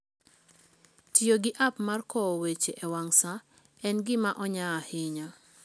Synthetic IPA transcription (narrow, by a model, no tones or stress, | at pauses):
tjjoɡɪʔapmarkɔwet͡ʃeʔɛwaŋsa | ɛnɡɪmaʔɔɲahɪɲa